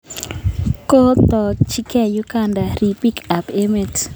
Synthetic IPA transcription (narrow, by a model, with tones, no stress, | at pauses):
ko˦t̪ɔ˨t͡ʃi˦kɛ˦˨ju˦ka˦˨nda˨ɾi˨pi˦ka˨pe˦me˨t